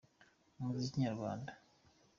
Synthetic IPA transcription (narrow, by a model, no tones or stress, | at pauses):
umuziciɲaɾɡwa̰ːnda